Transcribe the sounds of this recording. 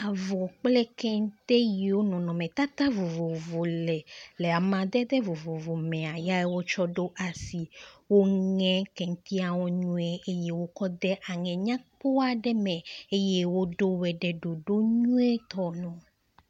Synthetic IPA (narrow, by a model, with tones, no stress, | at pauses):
a˨vɔ˨k͡plɛ˦kɛ˦ŋ˦t̪e˦ji˨wo˦nɔ̃˨nɔ̃˨mɛ̃˨t̪a˦t̪a˦vo˨vo˨vo˨lɛ˨le˨a˨mã˨d̪ɛ˦d̪ɛ˦vo˨vo˨vo˨mɛ̃˨a˨ja˦e˦wo˦t͡ʃɔ˦ɖo˦ʔa˨si˨wo˦ŋɛ̃˦kɛ˨ŋ̩˦t̪i˦a˨wɔ˦ɲũ˦e˦ʔe˦je˦wo˦kɔ˦d̪ɛ˦ʔa˨ŋɛ̃˨ɲã˦k͡po˦a˨ɖɛ˦mɛ̃˨e˦je˦wo˦ɖo˦wɛ˨ɖɛ˨ɖo˨ɖo˦ɲũ˦ɛ˦t̪ɔ˨nɔ̃˨